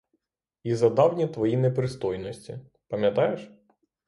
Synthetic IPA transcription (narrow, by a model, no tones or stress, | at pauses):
izɐd̪ɑwnʲit̪ʋɔjinɛpɾɪst̪ɔjnɔsʲtʲḭ | pɐmʲjɐt̪ɑjeʃ